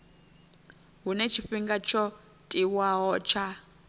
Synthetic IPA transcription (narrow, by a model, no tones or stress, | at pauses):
ɦunɛt͡ʃʰiɸiŋɡat͡ʃʰɔ | tʼiwaɦɔt͡ʃʰa